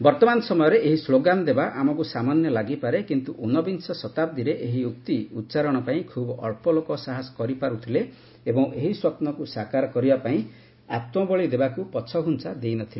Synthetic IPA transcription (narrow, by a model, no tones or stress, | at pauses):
bɔɾt̪ɔmanɔsɔmɔjɔɾeʔeɦisloɡand̪ebaʔamɔkusamanjɔlaɡipaɾekint̪uʔunɔbinsɔsɔt̪ab̚d̪iɾeʔeɦiuk̚t̪iut͡ʃaɾɔɽ̃ɔpaĩkʰubɔɔɭpɔlokɔsaɦaskɔɾipaɾut̪ʰile | ebɔŋeɦiswɔpnɔkusakaɾɔkɔɾibapaĩ | at̪mɔbɔɭid̪ebakupɔt͡ʃʰɔɦunsʰad̪ejnɔt̪ʰile